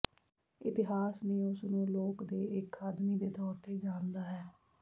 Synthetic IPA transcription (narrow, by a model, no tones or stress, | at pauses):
ɪ̰t̪ɪɦaːsneːʊsnũːloːkd̪eːɪkʰaːd̪miːd̪eːt̪ɔːɾt̪eːd͡ʒaːnd̪aːɦɛː